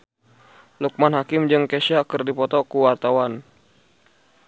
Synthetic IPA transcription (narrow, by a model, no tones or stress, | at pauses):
luk̚manɦakɪmd͡ʒɨŋkɛʃakɨrdipɔt̪ɔkuwart̪awan